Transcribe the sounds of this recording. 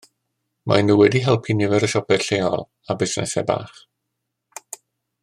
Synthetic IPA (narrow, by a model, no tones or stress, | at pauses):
mʔa̰nuwɛdiɦɛlˠpʰinɪvɛɾəʃɔpɛ̥ɬejɔlˠ | abɪsnɛ̰sɛ̰ba̰ːχ